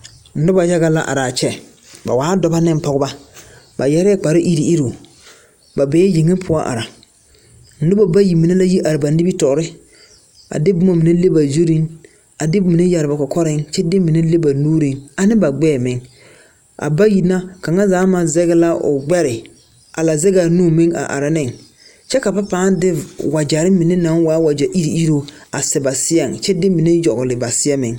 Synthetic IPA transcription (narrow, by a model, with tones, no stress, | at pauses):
n̩˨˦nʊ˦ba˨ja˦ɣa˦la˦ʔa̰˨ɾaː˨t͡ʃɛ˦ | ba̰˨waː˨˦dɔ˨ba˦nɪ˦m˦pɔ˨ɣʊ˦ba˦ | ba˨jɛ˦ɾɛ˦k͡pa˨ɾɪ˦ʔi˦ɾi˨i˦ɾo˨ | ba˨bɛː˦je˨ŋɪ˦pʰʊ˦a˦ʔa̰˨ɾa˨ | n̩˦dʊ˦ba˨ba˦ji˨mi˨na˦la˦ji˦ʔa˨ɾɪ˨ba˨nɪ˦bi˦tɔ˨ɾɪ˦ | a̰˨dɪ˦bʊ˦ma˦mi˨ne˦le˦ba˨zo˦ɾi˦ŋ | a˨dɪ˦mi˨ne˦ja˨ɾɪ˨ba˨kɔ˨kɔ˦ɾɪ˦ŋt͡ʃɛ˦dɪ˦mɪ˨ne˦le˦ba˨nuː˦ɾɪ˨ŋa˨nɪ˦ba˨ɡ͡bɛː˦˨mɪ˨ŋ | ʔa̰˨ba˦ji˨na˦ka˨ŋa˦zaː˨˦ma˨zɛ˦ɣɪ˦la˦ʔʊ̰˨ɡ͡bɛ˦ɾɪ˨ | a˨la˨zɛ˦ɡa˨nuː˦˨mɪ˦ŋa̰˨ʔa̰˨ɾa˨nɪ˦˨ŋ | t͡ʃɛ˦ka˨pa˦paː˦dɪ˦wa˨d͡ʒa˨ɾɪ˦mɪ˨ne˦na˨˦ŋwaː˨˦wa˨d͡ʒa˨ʔi˦ɾi˨i˦ɾo˦a˨sɛ˨ba˨sɪ˦a˦˨ŋt͡ʃɛ˦dɪ˦mɪ˨ne˦jɔ˨ɣʊ˨lɪ˨ba˨sɪ˦a˦mɪ̰˨ŋ